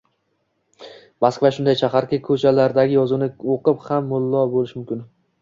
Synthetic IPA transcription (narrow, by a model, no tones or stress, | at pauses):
maskvaʃʊnd̪ajt͡ʃʰaχaɾkʲakʰɵt͡ʃʰalaɾd̪aɡʲɪjɒzunɪoqɨphamːʊlˠːɒbolɪʃmʊmkʲɪn